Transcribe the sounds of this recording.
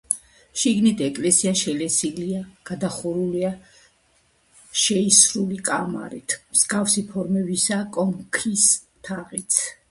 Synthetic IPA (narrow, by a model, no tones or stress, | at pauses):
ʃiɡnit̪ʰɛkʼlɛsiaʃɛlɛsiliaɡ̥ad̪aχuɾulia | ʃɛisɾulikʼama̰ɾḭt̪ʰmz̥ɡafsipʰɔɾmɛbisakʼɔmkʰis | t̪ʰaʁit̪sʰ